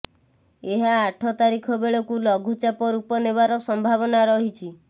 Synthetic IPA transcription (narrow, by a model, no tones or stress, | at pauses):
eɦaːʈʰɔt̪aɾikʰɔbeɭɔkulɔɡʱut͡ʃapɔɾupɔnebaɾɔsɔmbʱabɔnaɾɔɦit͡ʃʰi